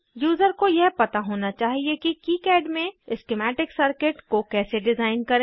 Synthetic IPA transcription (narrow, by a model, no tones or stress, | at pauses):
juːzəɾkojɛɦpɐt̪aɦoːnat͡ʃaːɦiekikiːkɛːɖmẽɪskɪmɛːʈɪksɐɾkɪʈkokɛːseɖɪzaːɪnkɐɾẽː